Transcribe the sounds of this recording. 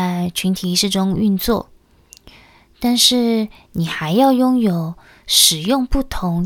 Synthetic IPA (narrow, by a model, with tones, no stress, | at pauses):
ɪt͡ɕʰy˧˥nt̪ʰi˨˥ʂɻ̩˥˩ʈ͡ʂʊ˥ŋy˥˧nt͡swɔ˥˩ | t̪a˥˧nʂɻ̩˥˩ | ni˨˩xa˧˥ɪjɑ˥˩ʊjʊ˥ŋjo˨˩ʊ | ʂɻ̩˨˩jʊ˥˧ŋpu˥˩t̪ʰʊ˧˥ŋ